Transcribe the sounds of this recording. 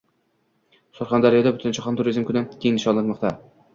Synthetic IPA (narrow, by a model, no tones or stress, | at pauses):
sʊɾχɑnd̪aɾjɒd̪abʊt̪ʰɪnt͡ʃʰɑχɒnt̪ʰʊɾizmkʰʊnɪkʲʰeŋnɪʃɒnlːˠat̪mɒqt̪ʰa